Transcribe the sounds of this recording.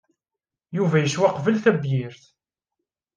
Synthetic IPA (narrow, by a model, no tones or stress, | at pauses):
juvæjəʃwæqvəlθæbjɪɾθ